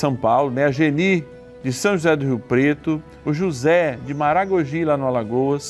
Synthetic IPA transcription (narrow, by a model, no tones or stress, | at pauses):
sɐ̃pawlʊnɛɐʒeni | d͡ʒɪsɐ̃w̃ʒuzɛd̪ʊɦiwpɾet̪ʊ | ʊʒuzɛd͡ʒɪmaɾaɡoʒilanʊalaɡoɐs